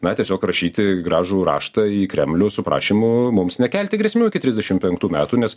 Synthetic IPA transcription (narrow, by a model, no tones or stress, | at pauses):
nɐt̪ʲiɛsʲoːkɾɐʃʲiːt̪ʲɪɡɾɑːʒuːɾɑ̰ːʃt̪ɐiːkɾʲɛmʲlʲʊsʊpɾɑ̰ːʃʲiːmʊmʊmsnʲɛkʲɛlʲt̪ʲɪɡɾʲɛsʲmʲɛʊɪkʲɪt̪ʲɾʲɪzʲd̪ʲɛʃʲɪmpʲɛŋk̚t̪uːmʲæːt̪uːnʲɛs